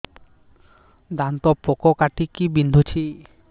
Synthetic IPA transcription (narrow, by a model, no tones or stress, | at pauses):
d̪ant̪ɔpɔkɔkaʈikibind̪ʱut͡ʃʰi